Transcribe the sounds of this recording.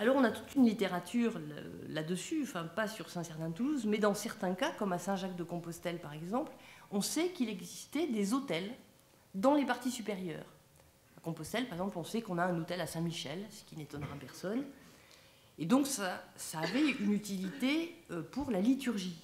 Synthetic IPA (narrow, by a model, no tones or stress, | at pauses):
alɔʁɔ̃nat̪u̥t̪ynlit̪eʁat̪ʰyːʁl̰ | lad̪əsyɑ̃fɛ̃pasyʁsɛ̃sɛʁt̪ɛ̃t̪uluzmɛd̪ɑ̃sɛʁt̪ɛ̃kakɔmasɛ̃ʒakd̪əkɔ̃pɔst̪ɛlpaʁɛɡzɑ̃plɔ̃sɛkilɛɡzist̪ɛd̪ezot̪ɛl | d̪ɑ̃lepaʁt̪isypeʁjœ̰ːʁ | akɔ̃pɔst̪ɛlpaʁɛɡzɑ̃plɔ̃sɛkɔ̃naɛ̃not̪ɛlasɛ̃miʃɛlsə̥kʲinet̪ɔnʁapɛʁsɔn | ed̪ɔ̃ksasaːvɛynyt̪ilit̪eøpuʁlalit̪yʁʒi